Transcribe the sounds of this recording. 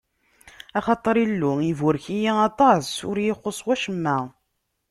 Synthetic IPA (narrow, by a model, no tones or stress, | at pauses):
ɑχɑt̪ˤəɾˤilːʊivʊɾçijiɑt̪ˤɑsʊɾjɪχːosˤwæʃəmːæ